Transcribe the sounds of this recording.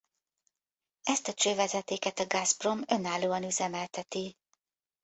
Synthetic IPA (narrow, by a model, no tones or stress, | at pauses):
ɛst̪ɒt͡ʃøːvɛzɛt̪eːkɛt̪ɒɡazpro̞mø̞nːaːloːɒnyzɛmɛlt̪ɛt̪i